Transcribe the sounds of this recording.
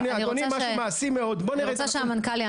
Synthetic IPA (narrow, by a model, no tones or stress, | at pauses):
nianioniamaʃumaːsimeo̞d̪boniʁɛt͡saʃeamankalia